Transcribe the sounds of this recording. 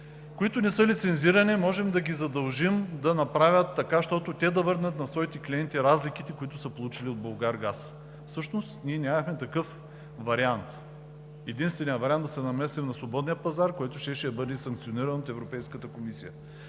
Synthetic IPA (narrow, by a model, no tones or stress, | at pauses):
koit̪ʊnɛsɤlit̪sɛnziɾɐnɛmɔʒɛmd̪ɐɡʲizɐd̪ɐlˠʒimd̪ɐnɐpɾavʲjət̪ːɐkaʃt̪ɔt̪ʊt̪ɛd̪ɐvɤɾnət̪nɐsvɔit̪ɛkliɛnt̪iɾazlikit̪ɛkʊit̪ʊsəpolˠut͡ʃiliod̪bolˠɡaɾɡas | fsɤʃnost̪nʲiɛnʲamɐxmɛt̪ɐkɤf | vɐɾiant̪ | ɛd̪inst̪vɛnijəvɐɾiand̪d̪ɐsɛnɐmɛsɛmnɐsvobɔd̪nijəpɐzaɾkoɛt̪ʊʃɛʃɛjɐbɤd̪ɛsɐ̃ŋkt̪sioniɾɐnot̪ɛvɾopɛjskət̪əkomisijə